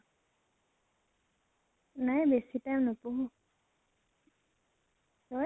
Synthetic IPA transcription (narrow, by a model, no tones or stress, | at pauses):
najbesitajmnʊpuɦũ | tɔ